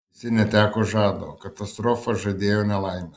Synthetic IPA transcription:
sinɛt̪akoʒad̪okat̪ast̪ɾofaʒɛd̪ejonɛlajmɛ

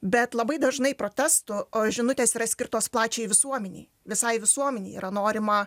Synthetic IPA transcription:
bʲɛt̪lˠɐbɐɪd̪ɐʒnɐɪpɾoːt̪ʲæst̪ʊʒʲɪnʊt̪ʲeːsiːɾɐsʲkʲɪɾt̪oːsplˠɑːt͡ʃʲɛɪʋʲɪsuɔmʲɛnʲɛ̰ɪ | ʋʲɪsɐɪʋʲɪsuɔmʲɛnʲɛɪḭːɾʔɐnoːɾʲɪmɐ

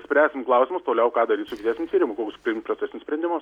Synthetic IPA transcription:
sʲpʲɾʲæːsʲɪmklˠɐʊsʲɪmʊst̪oːlʲɛʊkɑːd̪ɐɾʲiːt̪sʊkʲɪt̪ʲæːsʲnʲmʲʊt̪ʲiːɾʲɪmʊkoːkʲspʲɪɪmt̪pɾrot͡sʲsʲæsʲɪnʲɪsʲpɾʲɛnʲd̪ʲɪmʊs

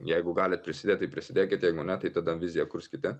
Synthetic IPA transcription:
jajɡoɡalɛt̪̚pɾɛsid̪ɛt̪əipɾɛsid̪ɛkʲɛt̪jajɡonat̪əit̪əd̪anvizijakuɾskʲit̪ɛ

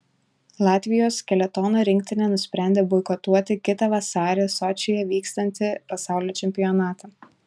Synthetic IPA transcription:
lˠɑːt̪ʲʋʲɪjoːskʲɛlʲɛt̪ɔːnoːɾʲɪŋʲkt̪ʲɪnʲenʊsʲpʲɾʲæˑnʲd̪ʲeːbɔɪkɔt̪uɔt̪ʲɪkʲɪt̪ɐʋɐsɑːɾʲesɔːt͡ʃʲɪjɛʋʲiːkst̪ɐnʲt̪ʲɪpɐsɑˑʊlʲoːt͡ʃʲɛmʲpʲɪjɔnɑːt̪ɐ

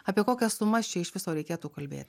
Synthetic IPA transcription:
ɐːpʲiɛkoːkʲɛsʊmɐsʲt͡ʃʲɛɪʃʋʲɪsoːɾʲɛɪkʲeːt̪uːkɐlʲbʲḛːt̪ʲ

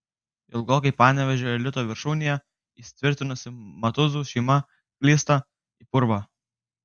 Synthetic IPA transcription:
ɪlˠɡoːkɐɪpɑːnʲɛʋʲɛʒʲoːɛlʲɪt̪oːʋʲɪɾʃuːnʲɪjɛ | iːsʲɪ̥t̪ʲʋʲɪɾʲt̪ʲɪnʊsʲɪmɐt̪ʊzuːʃʲɛɪmɐ | kʲlʲiːst̪ɐ | ipʊɾʋɐ

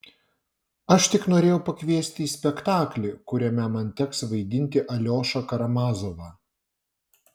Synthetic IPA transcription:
ɐʃt̪ʲɪknoːɾʲeːjɛʊpɐkʲʋʲiɛsʲt̪ʲiːsʲpʲɛkt̪ɑːklʲɪkʊɾʲɛmʲɛmɐnʲt̪ʲɛksʋɐɪd̪ʲɪnʲt̪ʲɪʔɐlʲoːʃɐkɐɾɐmɑːzoʋɑ

